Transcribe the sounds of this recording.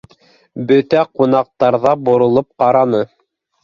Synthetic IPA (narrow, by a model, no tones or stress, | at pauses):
bɵt̪æqun̪ɑq̚t̪ɑɾðɑbŏɾŏlˠɤp̚qɑɾɑnɤ